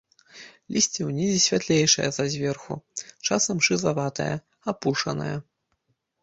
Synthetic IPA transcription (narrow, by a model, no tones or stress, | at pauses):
lʲisʲt͡sʲiwnʲizʲisʲvʲat̪lʲejʂɐ̰jɐzɐzʲvʲɛrxṵt͡ʂasɐmʂɨzavat̪ɐ̰jɐ̰ | apuʂɐ̰nɐ̰jɐ